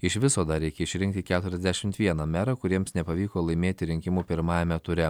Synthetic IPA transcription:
ɪʃʋʲɪsoːd̪ɐɾʲɛɪkʲɛɪʃʲɾʲɪ̃ŋkt̪ʲɪkʲæːt̪ʊɾʲɛzd̪ʲæʃʲɪmt̪ʋʲiɛnɐmʲæːɾɐkʊɾʲiɛmsnʲɛpɐʋʲiːkoːlˠɐɪmʲeːt̪ʲɪɾʲɪŋʲkʲɪmuːpʲɪɾmɑːjɛmʲɛt̪ʊɾʲɛ

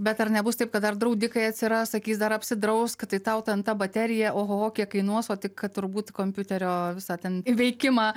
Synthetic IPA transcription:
bʲɛt̪ɐrnʲɛbʊst̪ɐɪpkɐt̪d̪ɐrd̪ɾɐʊd̪ʲɪkɐɪɐt̪ʲsʲɪɾɐssɐkʲiːsd̪ɐɾɐpʲsʲɪd̪ɾɐʊskt̪ɐɪt̪ɐʊt̪ʲɐnt̪ɐbɐt̪ʲæɾʲɪjɛʔoːɦoːoːkʲiɛkɐɪnuɔsoːt̪ʲɪkt̪ʊɾbuːt̪koːmʲpʲjʊt̪ʲɛɾʲoːʋʲɪsɑt̪ʲɛnʋʲɛɪkʲɪmɑː

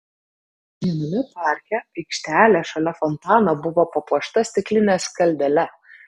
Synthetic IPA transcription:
jʲinʊmʲɪpɑˑɾʲkʲɛpʲiːkʃʲt̪ʲæːlʲeːʃɐlʲɛfɔnt̪ɑːnɐbʊʋopɐpɔʃt̪ɐsʲt̪ʲɪklʲɪnʲeːskɐlʲd̪ʲɛlʲɛ

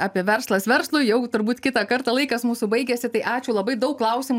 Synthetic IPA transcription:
ɑːpʲiɛʋʲɛɾslˠɐsʋʲɛɾslˠʊjɛʊt̪ʊɾbuːt̪kʲɪt̪ɑkɐɾt̪ɑlˠɐɪkɐsmuːsubɐɪɡʲɛsʲɪt̪ɐɪʔɑːt͡ʃʲuːlˠɐbɐɪd̪ɐʊkkːlˠɐʊsʲim

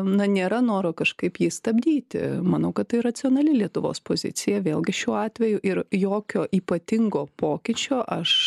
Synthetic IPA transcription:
nɐnʲeːɾɐnoːɾoːkɐʃkɐɪpjiːst̪ɐbʲd̪ʲiːt̪ʲɪ̰mɐnɐʊkɐt̪t̪ɐɪɾɐt͡s̪ʲɪoːnɐlʲɪlʲiɛt̪ʊʋo̰ːspoːzʲɪ̰t̪t͡s̪ʲɪjɛʋʲeːlˠɡʲɪʃʲuːɑːt̪ʲʋʲɛjʊʔɪɾjoːkʲoːʔiːpɐt̪ʲɪŋɡoːpoːkʲɪt͡ʃʲoːʔɐʃ

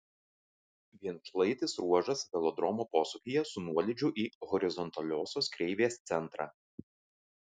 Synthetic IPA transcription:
ʋʲiɛnʃlˠɐɪt̪ʲɪsɾuɔʒɐsʋʲɛlˠɔd̪ɾɔmoːpoːsʊkʲijɛsʊnuɔlʲɪd͡ʒʲʊʔiːɣɔɾʲɪzɔnt̪ɐlʲoːsʲoːskɾʲɛɪʋʲeːst̪sʲɛnt̪ɾɑ̰ː

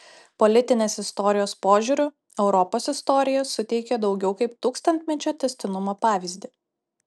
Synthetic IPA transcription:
pɔlʲɪt̪ʲɪnʲeːsɪst̪ɔɾʲɪjoːspoːʒʲuːɾʲʊ | ɛʊɾɔpoːsɪst̪ɔɾʲɪjɛsʊt̪ʲɛɪkʲɛd̪ɒʊɡʲɛʊkɐɪpt̪uːkst̪ɐnʲt̪ʲmʲɛt͡ʃʲoːt̪ʲɛsʲt̪ʲɪnʊmoːpɑːʋʲɪzʲd̪ʲɪ

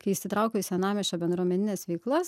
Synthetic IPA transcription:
kɐɪɪʃʲsʲɪt̪ɾɐʊkʲoːɪsʲɛnɑːmʲɛʃʲt͡ʃʲoːbʲɛnd̪ɾuɔmʲɛnʲɪnʲeːsʋʲɛɪklˠɐs

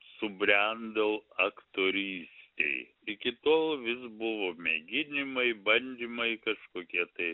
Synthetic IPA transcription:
sʊbʲɾʲɛnd̪ɐlˠɐkt̪oːɾʲiːsʲt̪ʲḛɪ | ɪkʲɪt̪oːlˠʋʲɪsbʊʋoːmʲeɡʲɪnʲɪmɐɪbɐnʲd̪ʲimɐɪkɐʃkoːkʲiɛt̪ɐɪ

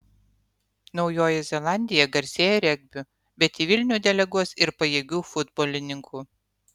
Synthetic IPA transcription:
nɒʊjoːjɛzʲɛlˠɑˑnʲd̪ʲɪjɛɡɐɾʲsʲeːjɛɾʲɛɡ̚ʲbʲʊ | bʲɛt̪iːʋʲɪlʲnʲuːd̪ʲɛlʲɛɡuɔsɪɾpɐjeːɡʲuːfʊd̪boːlʲɪnʲɪŋkuː

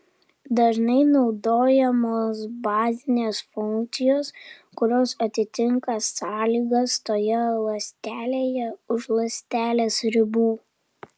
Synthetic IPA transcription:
d̪ɐʒnɐɪnɒʊd̪oːjɛmoːsbɑːzʲɪnʲeːsfʊŋkt̪sʲɪjoːs | kʊɾʲoːsɐt̪ʲɪt̪ʲɪŋkɐsɑːlʲiːɡɐst̪oːjɛlˠɐsʲt̪ʲæːlʲeːjɛʊʃlˠɐsʲt̪ʲæːlʲeːsɾʲɪbuː

